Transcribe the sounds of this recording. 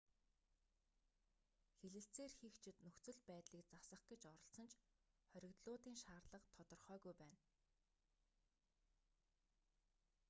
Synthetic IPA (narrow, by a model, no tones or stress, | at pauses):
xeɮɘ̆ɬt͡seːrxixt͡ɕʰɪ̆t̪nɵxt͡sɵ̆ɮpæːt̪ɮiːk̚t͡sasə̆χɡ̥et͡ɕɔɾɞ̆ɬsɞ̆nt͡ɕʰ | χœɾʲɪ̆kt̪ɮʊːt̪iːŋʃaːrɮə̆qt̪ʰɔt̪ɞ̆rχœːɣujpæːn